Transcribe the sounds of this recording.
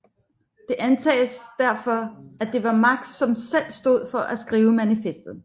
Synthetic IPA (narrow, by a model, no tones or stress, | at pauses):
d̥e̝ʔænt͡sʰɛ̰ːsd̥æɐfɒ̽æd̥e̝ʋɑ̈mɑ̈ɡ̥̚d̥sɒ̽msel̰sd̥o̝ð̞̰ˠfɒ̽ʔæsɡ̥ʁiːʊəmænifesd̥ð̩ˠ